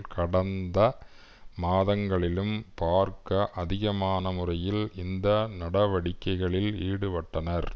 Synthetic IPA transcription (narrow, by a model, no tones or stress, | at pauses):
kʰɐɽɐnd̪ɐ | maːðɐŋɡɐɭɪlɯmpaːɾkɐʔɐðɪɣɐmaːnɐmʊrɐjɪlɪnd̪ɐnɐɽɐʋɐɽɪkːɐɪɣɐɭɪliːɽɯʋɐʈːɐnɐɾ